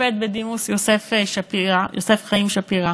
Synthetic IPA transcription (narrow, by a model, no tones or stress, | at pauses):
ed̪̚bed̪imusjosefʃapiajose̞fχaimʃapiʁa